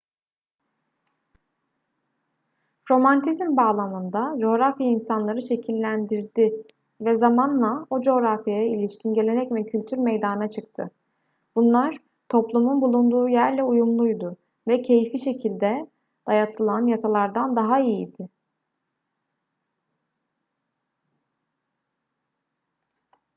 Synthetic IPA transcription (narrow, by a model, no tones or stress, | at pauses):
ɾo̞mant̪ʰizmbaːlˠamɯnd̪ad͡ʒo̞ːɾafjainsanlˠaɾɯʃe̞cʰilʲːænd̪iɾd̪ɪ | vɛzamanlˠaod͡ʒo̞ːɾafjajailʲiʃcʰinɟe̞lʲe̞nɛcmɛcʰylʲt̪ʰyɾmejd̪annat͡ʃʰɯkt̪ʰɯ | b̥unlˠaɾ̥ | t̪ʰo̞plˠumunbulˠund̪uːjæɾlʲɛujumlˠujd̪ʊ | vɛcʰe̞jifiʃe̞cʰilʲd̪ɛ | d̪̥ajat̪ʰɯlˠanjasalˠaɾd̪and̪aɦaijid̪ɪ